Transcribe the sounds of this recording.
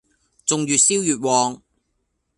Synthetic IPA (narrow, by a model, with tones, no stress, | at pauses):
t͡sʊ˨ŋjyː˨tsiː˥wjyː˨t̚wɔː˨˧ŋ